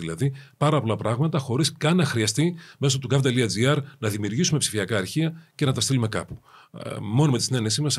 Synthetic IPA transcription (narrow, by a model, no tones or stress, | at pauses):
ilɐ̰ðipɐɾɐpo̞lɐpɾɐɣmɐt̪ɐxo̞ɾiskɐnːɐxɾiɐst̪ime̞sot̪ukɐft̪eliɐd͡ziɐɾnɐðimiuɾʝisume̞psi̥fiɐkɐːɾçiɐce̞nɐt̪ɐst̪ilume̞kɐ̰pu̥ | mo̞nomet̪i̥sine̞ne̞simɐs